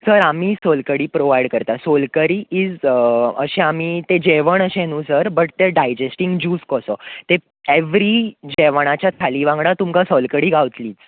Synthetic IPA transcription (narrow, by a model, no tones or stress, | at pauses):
səɾamiːsolkəɽiːpɾoʋajɽkəɾt̪asolkəɾiʔiːd͡zəɕeamiːt̪ed͡ʑeʋəɳəɕẽnuːsəɾbəʈ̚t̪eɖajd͡ʑesʈĩŋɡd͡ʑuːskɔsɔt̪e | eʋɾid͡ʑeʋəɳ̃at͡ɕjat̪ʰaliːʋãŋɡɽat̪umkasɔlkəɽiːɡʱaʋt̪liːt͡s